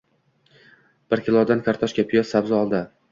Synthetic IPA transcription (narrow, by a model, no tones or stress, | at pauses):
b̥ɪɾkʲɪlˠɒd̪ankʰʲaɾt̪ʰɒʃkʲapʰɪjɒsabzɪɒlˠd̪ɪ